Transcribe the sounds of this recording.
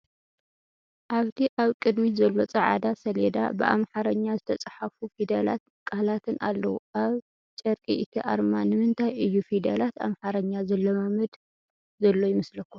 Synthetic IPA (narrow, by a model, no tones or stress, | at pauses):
ʔaβt̪ʰiʔaβkʼɨd̪mizɐlːo̞t͡sʼɐʕa̰d̪asɐled̪a̰bɨ̰ʔa̰mħaɾɐɲːazɨt̪ʰɐt͡sʼaħafufid̪ɐla̰t̪̚ | kʼahlat̪ʰɨna̰lːɐwuʔaβ | t͡ʃʼɐɾkʼiʔɨt̪ʰiʔa̰ɾmanɨmɨnt̪ʰajʔɨjːufid̪ɐ̰lat̪a̰mħaɾɐɲːazɐlːɐmamɨd̪ | zɐlːo̞jɪmɨslɐkːu